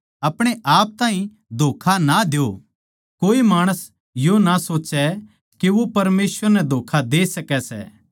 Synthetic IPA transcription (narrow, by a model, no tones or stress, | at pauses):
ɐpɽ̃eʔaːp̚t̪ãːɦĩ | d̪ʱoːkʰanad̪eo | koːimaːɽ̃əs | jonasoːt͡ʃɛ | kiʋopɐɾmeːsʋəɾnɛd̪ʱoːkʰad̪eːsɐkɛsɛ̰ː